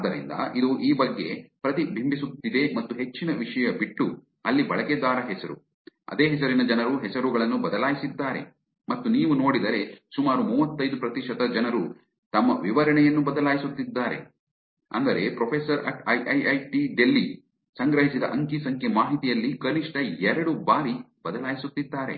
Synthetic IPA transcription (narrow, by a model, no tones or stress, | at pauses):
ad̪ɐɾḭnd̪ɐ̰ʔid̪uʔiːbɐɡːe̞̰pɾɐt̪ibʱimbisut̪ːid̪e̞mɐt̪ːuɦe̞t͡ʃːinɐʋiʂɐjɐbiʈːu | ɐlːibɐɭɐked̪aːɾɐɦɛsɐɾṵ | ɐ̰d̪eːɦɛsɐɾinɐd͡ʒɐnɐɾuɦɛsɐɾuɡɐɭɐnːubɐd̪ɐlaːjisid̪ːaːɾe̞̰ | mɐt̪ːuniːʋuno̞ːɽid̪ɐɾe̞sumaːɾumuːʋɐt̪ːɐjd̪upɾɐt̪iʃɐt̪ɐd͡ʒɐnɐɾu | t̪ɐmːɐʋiʋɐɾɐɳɛjɐnːubɐd̪ɐlaːjisut̪ːid̪ːaːɾe̞̰ | ɐ̰nd̪ɐɾe̞pɾopʰesɐɾɐ̰ʈɐjʔɐjɐjʈiɖelːi | sɐŋɡɾɐɦisid̪ɐʔɐŋkisɐŋkʰjemaːɦit̪ijɐlːikɐniʂʈɐɛɾɐɽubaːɾi | b̥ɐd̪ɐlaːjisut̪ːid̪ːaːɾe̞̰